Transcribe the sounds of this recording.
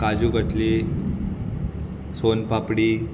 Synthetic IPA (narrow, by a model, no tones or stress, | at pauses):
kad͡ʑuːɡʱəʈʰli | sonpapɽi